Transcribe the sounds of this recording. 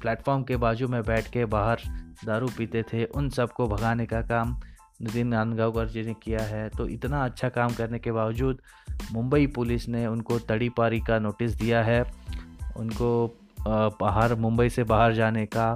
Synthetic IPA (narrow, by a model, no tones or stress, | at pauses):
plɛːʈfɔːɾmkebaːd͡ʒumẽbɛːʈʰkebaːɦəɾd̪aːɾupiːt̪et̪ʰeʔʊnsɐbkobʱɐɡaːnekakaːm | nɪt̪inaːnɡaːkɐɾd͡ʒinekijaɦɛt̪oʔɪt̪naɐtːʃʰakaːmkɐɾnekebaːʋd͡ʒuːd̪ | mʊ̃mbəipʊlɪsneʊnkot̪ɐɽipaːɾikanoːʈɪs̬d̪ijaɦɛ | ʊ̰nko | baːɦəɾmʊ̃mbəisebaːɦəɾd͡ʒaːneka